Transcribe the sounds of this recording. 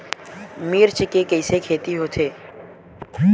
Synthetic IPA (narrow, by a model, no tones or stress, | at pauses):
miːɾt͡ʃɪkekɐɪsekʰeːt̪iɦoːt̪ʰeː